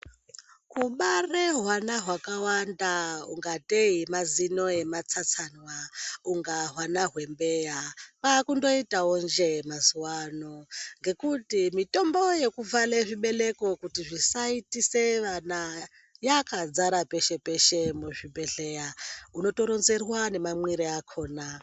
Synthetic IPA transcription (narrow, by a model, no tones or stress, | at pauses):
kuɓareɦwanaɦwakawandauŋɡateimazino̞e̞mat͡sat͡sanwauŋɡaɦwanaɦwe̞mbe̞japakundo̞itawond͡ʒe̞mazuwanoŋɡe̞kutimito̞mbo̞je̞kuvaleʐiɓe̞le̞ko̞kutiʐisaitise̞ʋana | jakad͡zaɾape̞ʃe̞pe̞ʃe̞muʐibe̞ɬejauno̞to̞ɾo̞nze̞rwane̞mamwiɾeakʰo̞ːna